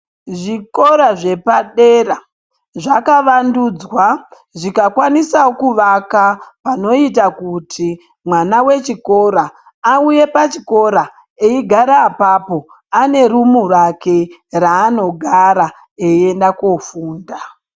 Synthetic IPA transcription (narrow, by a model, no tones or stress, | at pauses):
ʐiko̞ɾaʐe̞paɗe̞ra | ʐakaʋandud͡zwa | ʐikakwanisaokuʋakapano̞itakuti | mwanawe̞t͡ʃiko̞ɾaː | uje̞pat͡ʃiko̞ɾa | eiɡʱaɾaːpapo̞ | ane̞rumurake̞raːno̞ɡʱaɾa | eie̞ndakofuːnda